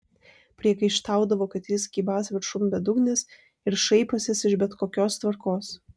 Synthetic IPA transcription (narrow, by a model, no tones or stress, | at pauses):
pʲɾʲiɛkɐɪʃt̪ɑˑʊd̪ɐʋoːkɐt̪jɪskʲiːbɑːsʋʲɪɾʃʊmbʲɛd̪ʊɡnʲɪs | ɪɾʃɐɪposʲɛsɪʒbʲɛt̪koːkʲoːst̪ʋɐɾkoːs